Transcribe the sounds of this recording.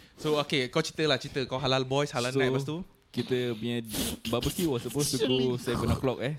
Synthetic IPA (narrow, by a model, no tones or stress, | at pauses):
sookekawt͡ʃit̪əlat͡ʃit̪əkawɦalalbɔjshalalnãbast̪u | kit̪əmiɲãbabəkuwɔsəposukusajapənaklɔk̚ɛ